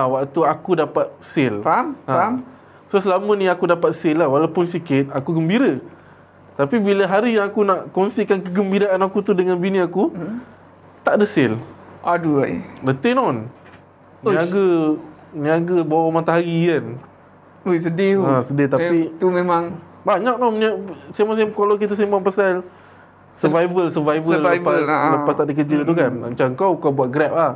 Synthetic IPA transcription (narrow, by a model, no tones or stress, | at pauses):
awaʔt̪uakudapat̪̚sɪlaa | sosəlamənĩakudapat̪̚sɪlahwalawpʊnsikɪt̪̚akuɡəmbiɾə | t̪apibiləɦaɾijaŋakunaʔkonsiʔkankəɡəmbiɾaʔanakut̪udəŋanbiniaku | t̪aʔdəsɪlʔaduadət̪enɔn | naɡə | niaɡəbawamat̪aɦaɾiən | ojsədiəsədit̪apit̪umemaŋ | baɲak̚nɔmnasamas̬akalawk̬it̪əs̬imaŋpasal | səvajvəlsəvajvəlapasləpast̪aʔdik̬əd͡ʒət̪̬ukanma̰t͡ʃaəŋkawkawbuaʔ̪̚ɡɾɛp̚a